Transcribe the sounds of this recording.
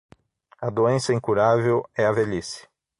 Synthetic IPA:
ɐd̪oẽsɐĩŋkuɾavewɛɐvelisɪ̥

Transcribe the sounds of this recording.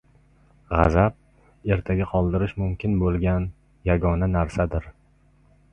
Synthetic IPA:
ʁɑ̰zap̚ | e̞ɾt̪ʰaɡʲaqʰɒlˠd̪ɪɾɪʃmʊmkʲʰɪnbolˠɡʲan | jaɡɒnanaɾsad̪ɪɾ

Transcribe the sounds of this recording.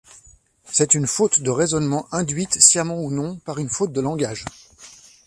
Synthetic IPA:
sɛt̪ynfot̪d̪əʁezɔnmɑ̃ʔɛ̃d̪ɥit̪sjamɑ̃unɔ̃paʁynfot̪̚d̪əlɑ̃ɡaʒ

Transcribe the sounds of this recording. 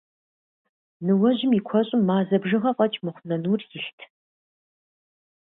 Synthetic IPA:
nɨwɐʑɪmikʷʰɔɕʼɪmːaːzɐbʒɨʁɐqʷʼɐt͡ʃʼmɨχʷnɐnuːrjɪɬtʰ

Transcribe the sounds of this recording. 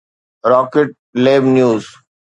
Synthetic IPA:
ɾɔːkeʈ̚leːbnjuːz

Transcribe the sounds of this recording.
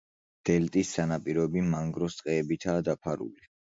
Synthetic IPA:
d̪̥ɛlt̪ʼisːanapʼiɾɔɛbimaŋɡɾɔst̪sʼqʼɛːbit̪ʰaːd̪apʰaɾṵli

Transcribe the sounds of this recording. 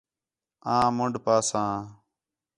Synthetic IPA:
ãːmʊɳɖpaːsãː

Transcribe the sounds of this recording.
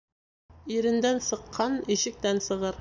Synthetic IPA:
iɾɘ̆nd̪ænsɤ̆qʰːɑniʃɘ̆k̚t̪ænsɤ̆ʁɤɾ

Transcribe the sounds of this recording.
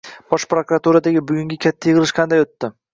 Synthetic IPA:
b̥ɒʃpɾokɾat̪uɾad̪aɡʲɪbʊɡʲʊŋɡʲɪkʲʰat̪ʰːajɪʁɨlɪʃqʰɑnd̪ajot̪ːɪ

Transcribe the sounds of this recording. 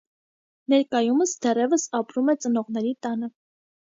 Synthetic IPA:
nɛɾkɑjuməsd̪ɛrɛvəsɑpɾumɛt͡sənɔʁnɛɾit̪ɑnə

